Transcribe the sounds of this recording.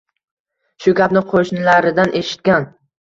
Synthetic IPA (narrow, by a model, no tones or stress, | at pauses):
ʃʊɡʲapnɪqʰoʃnɪlaɾɪd̪anʔe̞ʃɪ̥t̪̚kʲan